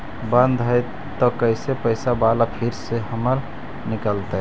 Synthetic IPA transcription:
bə̃nd̪ʱɦəj | t̪ɔkəɪsepəɪsabalapʰiɾsehəməɾ | nikəlt̪ɛɦ

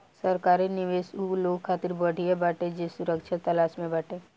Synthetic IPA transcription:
sɐɾkaːɾinɪʋeːsuloːɡkʰaːt̪ɪɾbɐɽ̤iebaʈed͡ʒesʊɾəkʃat̪ɐlaːʃmẽbɐʈẽː

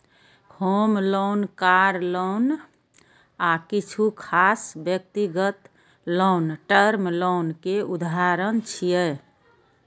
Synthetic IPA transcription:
homlonkaɾlon | akit͡ʃʰukʰasbjək̚t̪iɡət̪ | lonʈəɾmlonkeud̪aɾənt͡ʃʰijə

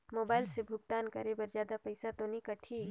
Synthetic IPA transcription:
moːbaːɪlsebʱʊɡ̚t̪aːnkə̰ɾebɐɾd͡ʒjaːd̪apəɪsat̪onikɐʈʰiː

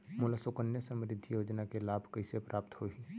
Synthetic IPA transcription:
moːlasokənjəsə̃mɾɪd̪ʱːijoːd͡ʒnakelaːbʱkəisepɾʔaːpt̪hoiː

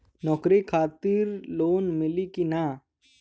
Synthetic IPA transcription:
nɔːkɾikʰaːt̪iɾloːnmɪlikina

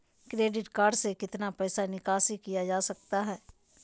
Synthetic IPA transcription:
kɾeːɖɪʈkaːɾɖsekɪt̪napɛːsanɪkaːsikijad͡ʒaːsɐk̚t̪aɦɛː

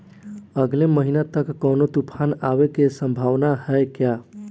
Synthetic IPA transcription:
əɡleməɦinat̪əkːəwnot̪upʰanaʋekesəmbʱaʋnaɦəjkja

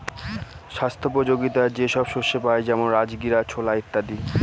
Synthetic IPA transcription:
ʃast̪ʰop̬od͡ʑoɡit̪ad͡ʑeʃɔbʃoʃepaed͡ʑɛmonɾad͡ʑɡiɾat͡ɕʰolait̪ːad̪i

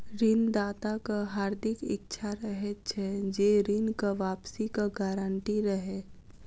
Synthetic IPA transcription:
ɾɪnd̪aːt̪akaɦaːɾd̪ɪkɪ̰k̚t͡ʃʰaɾɐɦet͡ʃʰɛd͡ʒeːɾɪnkaʋaːpsikaɡaːɾəɳʈiɾɐɦeː

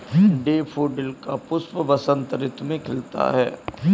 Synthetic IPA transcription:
ɖeːpʰoːɖɪlkapʊspəʋɐsə̃nt̪əɾɪt̪mẽkʰɪlt̪a̰ɦɛ̰ː

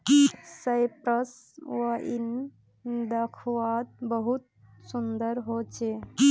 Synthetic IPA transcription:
kisajpɾəs | ʋəʔḭn | d̪əkʰwat̪̚bəɦut̪̚ | sund̪əɾɦot͡ʃʰeki

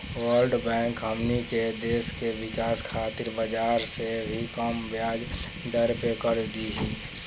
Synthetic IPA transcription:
wəɾɖbɛ̃ŋkɦəmniked̪eːskewɪkaːskʰaːt̪ɪɾbəd͡ʒaɾsebʱikəmbjaːd͡ʒ | d̪əɾpekəɾd̪iɦi

